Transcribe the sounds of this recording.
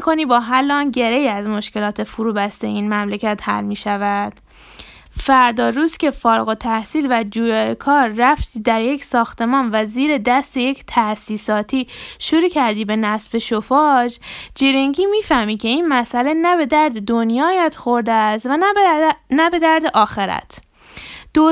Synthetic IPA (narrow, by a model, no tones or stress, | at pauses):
kʰoniːbɒːɦælːɒːnɟe̞ɾeiæzmo̞ʃkce̞lɒːt̪ʰe̞fuɾuːbæst̪eiːnmæmlecʰæt̪hæ̰lmiːʃævæd̪̥ | fæɾd̪ɒːɾuːscʲʰe̞fɒːɾɣo̞t̪ʰæhsiːlvæd͡ʒuːjɒːekʰɒːɾːæft̪ʰiːd̪æɾje̞csɒːxt̪e̞mɒːnvæziːɾe̞d̪æst̪e̞je̞cʰt̪ʰæʔsiːsɒːt̪ʰiːʃuɾuːcʰæɾd̪iːbe̞næsbe̞ʃofɒd͡ʒd͡ʒeɾeŋɟiːmiːfæhmiːcʲʰe̞inmæsʔæle̞næbe̞d̪æɾd̪e̞d̪onjɒːjæd̪̥xoɾd̪est̪væ | næbe̞d̪æɾd̪e̞ʔɒːxe̞ɾæ̰t̪ʰ | d̪̥o